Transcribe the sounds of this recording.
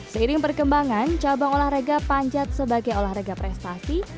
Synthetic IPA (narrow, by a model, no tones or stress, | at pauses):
səiɾɪŋpərkəmbaŋant͡ʃabaŋolahɾeɡapaɲd͡ʒat̪̚səbaɡajolahreɡapɾɛst̪asi